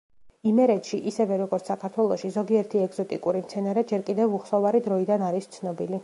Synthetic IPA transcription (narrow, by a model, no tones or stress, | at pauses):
imɛɾɛt̪ʃiʔisɛvɛɾɔɡɔɾt̪ssakʰaɾt̪ʰwɛlˠɔʃizɔɡiɛɾt̪ʰiɛɡz̥ɔt̪ʼikʼuɾimt̪sʰɛnaɾɛd͡ʒɛɾkʼid̪ɛvuχsɔvaɾid̪ɾɔid̪anaɾist̪sʰnɔbili